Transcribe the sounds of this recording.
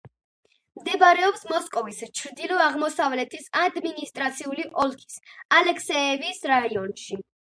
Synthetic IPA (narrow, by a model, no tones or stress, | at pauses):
md̪ɛbaɾɛɔpsmɔskʼɔvist͡ʃʰɾd̪ilɔaʁmɔsavlɛt̪ʰisad̪minist̪ʼɾat̪sʰiuliʔɔlˠkʰi̥salɛkʰsɛɛvisɾaiɔnʃi